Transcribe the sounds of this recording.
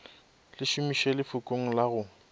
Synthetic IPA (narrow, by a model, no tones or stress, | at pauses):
lɪʃʊmiʃelɪfʊkʼoŋ̩laɣʊ